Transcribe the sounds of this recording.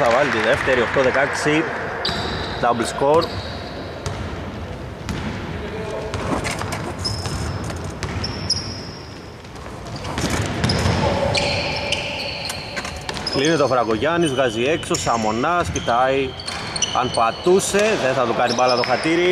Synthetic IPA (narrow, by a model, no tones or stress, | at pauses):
θɐvɐlit̪iðe̞ft̪e̞ɾio̞xt̪o̞ðe̞kɐksi | d̪ɐblsko̞ɾ | kline̞t̪eofɾɐɣo̞ʝɐnizɣɐzie̞kso̞sɐmo̞nɐscit̪ɐi | ɐ̰npɐt̪use̞ðe̞nθɐt̪ukɐnipɐlɐðo̞xɐt̪iɾi